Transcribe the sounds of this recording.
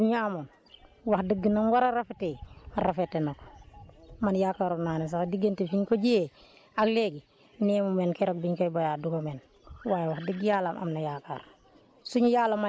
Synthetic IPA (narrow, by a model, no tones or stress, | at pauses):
uɲaamon | wahdəɡːinamwaɾaɾafeteaɾafetːenok | manjaːkaɾonanes̬akdiɡentefiɲkoɟije | akleɡi | neːmumenkeɾok̚biɲkojbojaduɡomen | wajwahdəɡjaːlamʔa̰mnajaka̰ɾ | suɲujaːlama